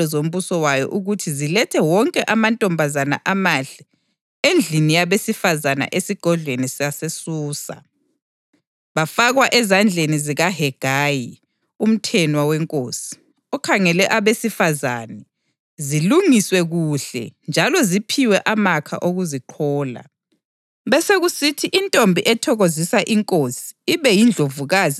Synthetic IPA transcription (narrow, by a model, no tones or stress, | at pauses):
ɔzom̩βusɔwajɔ̰ʔuɣutʰizilɛtʰɛwɔŋkʼɛʔamantʼɔmbʱazana̰ʔamaɬɛ | end͡ɮʱinijaβesifazana̰ʔesiɡ̥ʱɔɮʱwenisijasesuːsa̰ | βafaɣwaʔɛzand͡ɮʱeniziɣaɦɛɡ̥ʱaːji | um̩tʰɛnwawɛŋkʼoːsi̥ | ɔkʰaŋɛlɛʔaβesifazanɛ | ziluŋiswɛɣuɬɛ̰nd͡ʒʱalɔzipʰiwɛʔamakʰa̰ʔoɣuziǃʰɔːla̰ | βɛseɣusitʰiʔintʼombʱiʔɛtʰɔɣozisaʔiŋkʼosi̥ːβɛjind͡ɮʱovuɣaːzi